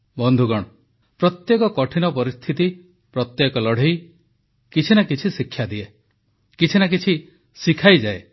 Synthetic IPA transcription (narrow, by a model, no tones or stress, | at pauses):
bɔnd̪ʱuɡɔɽ̃ɔ | pɾɔt̪jekɔkɔʈʰinɔpɔɾist̪ʰit̪i | pɾɔt̪jekɔlɔɽ̤ej | kit͡ʃʰinakit͡ʃʰisikʰːjad̪ie | kit͡ʃʰinak̬it͡ʃʰi | sikʰajd͡ʒae